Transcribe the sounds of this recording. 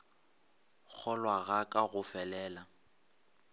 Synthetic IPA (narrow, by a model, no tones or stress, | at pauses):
k͡xʰɔlwaɣakʼaɣʊfɛlɛːla